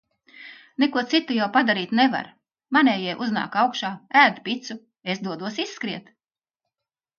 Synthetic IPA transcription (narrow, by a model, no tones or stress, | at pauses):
nekuɔt̪sit̪ːujawpad̪aɾiːt̪neva̰ɾ | manɛːjɛjʔuzna̰ːkawkʃaːæːd̪ipit̪su | esd̪uɔd̪uɔsisːkɾiɛt̪